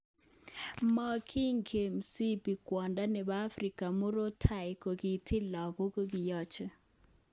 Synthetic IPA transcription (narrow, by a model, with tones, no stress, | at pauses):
mɔ˦kʰi˦ŋkʰe˨msi˦bi˨kwɔ˨nda˦nɛ˨ba˦fɾi˨ka˨mʊ˦ɾo˦tʰa˨ɪ˨ko˨ɡi˨tʰɪ˦lɔ˨ɡɔ˦ko˦ɡɪ˨jɔ˦t͡ʃɛ˨